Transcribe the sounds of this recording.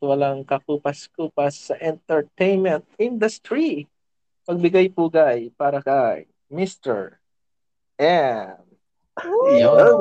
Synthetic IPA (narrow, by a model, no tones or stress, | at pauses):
wɐlaŋkɐkuːpɐskuːpɐsːɐʔɛnt̪ɛɹt̪ejnmɛ̃nt̪̚ɪnd̪ɐst̪ɾi | pɐɡ̚bɪɡajpuːɡajpaːɾɐkaj | mɪst̪ɛ̰ɹ | ʔɛm